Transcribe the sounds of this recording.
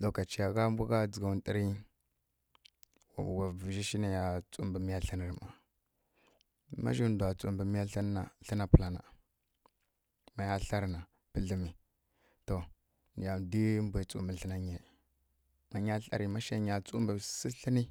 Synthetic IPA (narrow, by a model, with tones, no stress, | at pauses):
ɗo˨ka˨t͡ʃi˨ja˨ɣa˦mbʷu˦ɡa˦d͡zə˨ɡa˨u˨ntʼə˦ɾi˦˨ | wa˨vʒi˦ʃi˦na˦ja˨t͡sṵ˦mbə˨mi˦ja˦ɬə˦ni˨ɾma˨ | ma̰˦ʒi˦n˦du˨a˨t͡sṵ˦˨mbə˨mi˦ja˦ɬa˦n˦na˨ɬə˦na˦pu˨la˨na̰˨ | ma˨ja˦ɬa˦ɾna˨ | pə˦ɮə˨mi˨ | to˨ | n˨ja˨di˦m˦bʷa˨t͡sṵ˦mbə˨ɬə˦na˦ɲe˨ | ma˨ɲa˦ɬa̰˦ɾi˨ma˦ʃa˦ɲa˨t͡su˦mbə˨si˦ɬə˦ni˦